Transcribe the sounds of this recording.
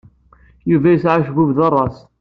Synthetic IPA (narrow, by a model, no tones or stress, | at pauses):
juvæjəsʕaʃvuvðɑrˤːɑs